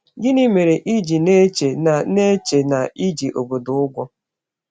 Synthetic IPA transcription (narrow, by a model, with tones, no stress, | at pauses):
ɡɪ˦ni˦me˨ɾe˨ʔi˦d͡ʒi˨ne˦t͡ʃe˨ne˦t͡ʃe˨na˨i˦d͡ʒi˨ʔo˨bo˨dʊ˨ʊ˦ɡʷɔ˦